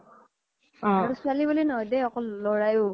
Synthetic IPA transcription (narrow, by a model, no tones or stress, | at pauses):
ɔ̃aɹusualibulinɔɦɔjdɛɔkɔllɔɹajʊ